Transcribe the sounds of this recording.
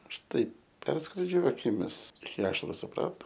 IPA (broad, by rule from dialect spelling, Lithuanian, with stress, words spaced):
ˈɐʃ ˈtɐɪp ˈpʲɛrskroːd͡ʒʲʊ ɐkʲɪˈmʲɪs ɪkʲɪ ˈɑːʃɐrʊ sʊˈprɑːtoː